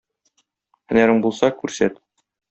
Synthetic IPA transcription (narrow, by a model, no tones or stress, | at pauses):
hɘ̆næɾɘŋbulˠsɑkʉɾsæt̪